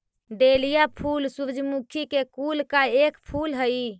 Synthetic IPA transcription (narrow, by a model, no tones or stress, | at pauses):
ɖelijapʰulsubd͡ʒʱmukʰikekulkaekpʰulɦəi